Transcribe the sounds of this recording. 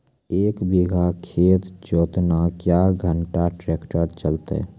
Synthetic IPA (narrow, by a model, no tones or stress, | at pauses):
eːkbiɡʱakʰeːt̪t͡ʃoːt̪nakjaɡʱəɳʈaʈɾekʈəɾt͡ʃəlt̪ḛ